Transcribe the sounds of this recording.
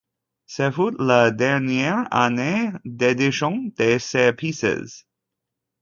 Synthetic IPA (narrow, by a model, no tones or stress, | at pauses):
sefut̪ləd̪ɛʁnjɛʁa̰ned̪ed̪iʃɔ̃d̪̥esepʰisḛz